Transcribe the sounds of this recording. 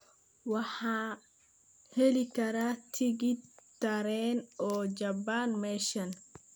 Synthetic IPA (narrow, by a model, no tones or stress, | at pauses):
wɑħaː | hɛlɪkʰɐɾaːt̪ʰɪɡɪt̪ɐɾɛːnɔːd͡ʒɐbaːnmɛːʃɐn